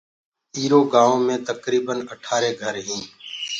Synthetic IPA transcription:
iːɾoːɡãːõːmẽːt̪əkɾiːbənəʈʰaːɾeːɡʱəɾɦĩː

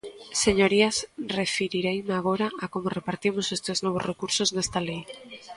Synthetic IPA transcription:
seɲoɾiasrefiɾiɾejmaɣ̞oɾaakomorepaɾt̪imosest̪eznoβ̞ozrekuɾsoznest̪alej

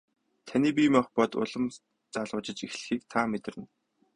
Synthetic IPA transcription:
t̪ʰaniːp̬iːmɔχpɔt̪ʊ̰ɮə̆m | t͡saɮʁʊːt͡ɕɪ̆t͡ɕixɮɘ̆xiːk̚t̪ʰamet̪̆rɘ̆n

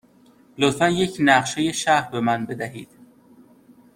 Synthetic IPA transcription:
lofænje̞cʰnæʁʃejeʃæhɾbe̞mænbe̞d̪æɦiːd̪̥

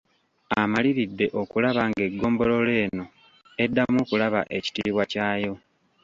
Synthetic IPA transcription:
amaliɾidːe̞ʔo̞kulaβaŋɡe̞ɡːo̞ːmbo̞lo̞le̞ːno̞ | e̞dːamoːkulaβa̰ʔe̞ci̥tiːβwacaːjo̞

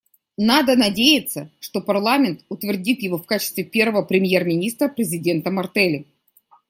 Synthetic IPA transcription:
nad̪ənɐdʲejɪt̪səʂt̪o̞pɐrlˠamʲɪnt̪ʊt̪vʲɪrdʲit̪jɪvo̞fkat͡ɕɪ̥st̪vʲɪpʲe̞rvəvəpɾʲɪmje̞rmʲɪnʲist̪ɾəpɾʲɪzʲɪdʲe̞nt̪əmɐrt̪ɛlʲɪ

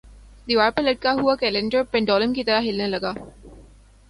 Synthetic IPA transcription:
d̪iʋaːɾpɐɾlɐʈ̚kaɦuakɛːlẽɳɖəɾpɛ̃ɳɖɔːləmkit̪ɐɾaɦɪlnelɐɡaː

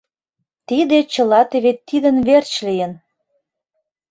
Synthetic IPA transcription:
t̪id̪et͡ɕə̆lɑt̪eβet̪ːid̪ə̆nβert͡ɕlijə̆n

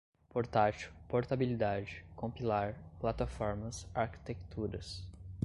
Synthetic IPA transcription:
poɾt̪at͡ʃʊpoɾt̪abilid̪ad͡ʒɪkõpilaɾplat̪afɔɾmɐsaɾki̥t̪ekt̪uɾɐs

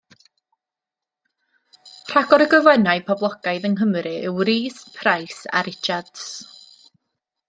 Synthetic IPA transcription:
r̥aɡɔɾəɡəvɛnaɨpʰɔblˠɔɡ̥ajðəŋɦəmɾɨɪwɾiːspʰrajsa̰ɾɪt͡ʃad̥s

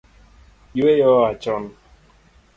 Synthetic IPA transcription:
jwejɔat͡ʃɔn

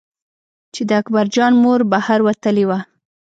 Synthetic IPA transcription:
t͡ʃed̪əakbaɾd͡ʒɑnmoɾbahaɾwat̪əlewa

